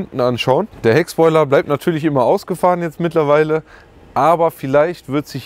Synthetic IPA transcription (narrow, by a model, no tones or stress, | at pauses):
ntn̩anʃaʊənd̥eːɐɛkspɔʏlɐblaɪp̚tnatʰyːɐlɪç̬ʔɪmɐʔaʊsɡ̥əfaːʁənjɛt͡stmɪtlɐvaɪlə | ʔaːbɐfɪlaɪçtv̥ɪɐtz̥ɪç